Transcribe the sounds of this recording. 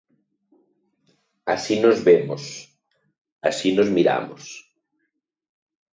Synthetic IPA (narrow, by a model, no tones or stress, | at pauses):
a̰sinozβemos | asinozmiɾa̰mos